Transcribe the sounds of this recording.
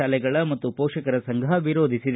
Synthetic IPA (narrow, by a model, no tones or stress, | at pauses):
aːlɛɡɐɭɐmɐt̪ːupɔːkʂɐkɐɾɐsɐŋɡʱɐɦɐʋiɾoːd̪ʱisid̪